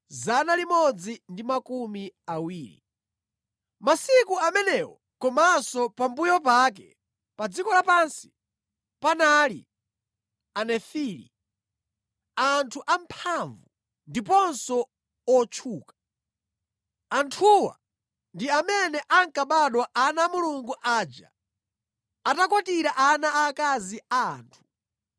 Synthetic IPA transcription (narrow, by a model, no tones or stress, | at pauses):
zanalimɔd͡zindimakumiawiːɾḭ | masikuamɛnɛwɔ | kɔmasɔpambujɔpakɛ | pad͡zikɔlapansi̥ | panaːlḭ | anɛfiːlḭ | antʰuʔam̩pʰaɱvu | ndipɔnsɔ | ɔt͡ʃʰuːkḁ | antʰuwa̰ | ndiamɛnɛʔaŋkaɓaɗwaʔanamuluŋɡuʔaːd͡ʒa̰ | atakɔtiɾaʔanaːkaziaaːntʰu̥